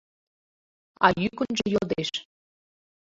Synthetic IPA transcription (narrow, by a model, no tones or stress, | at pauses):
ɑ̰jykənʒejod̪eʃ